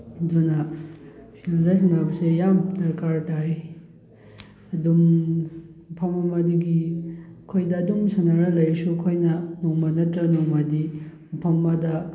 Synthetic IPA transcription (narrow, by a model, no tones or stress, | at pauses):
dunɐ | pʰildɐs̬ɐnabɐsejamdɐɾkaɾtaj | ɐdum | pʰɐmɐmadiɡikʰojdɐːdumsɐnaɾalɐjɾsukʰojnɐnɔŋmanɐtɾɐnɔŋmadimpʰɐmːadɐ